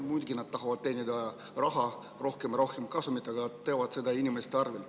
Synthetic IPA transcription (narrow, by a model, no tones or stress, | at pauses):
mujd̪ɡ̥inɑd̪̚t̪ɑɦɑvɑd̪̥̚t̪e̞ːnʲid̪ɑ | rɑɦɑ | ro̞hkemɾo̞hkemkɑsumit̪ːˑɑɡɑt̪ːe̞ːvɑd̪̥se̞d̪̥ɑinʲimest̪eɑrvelt̪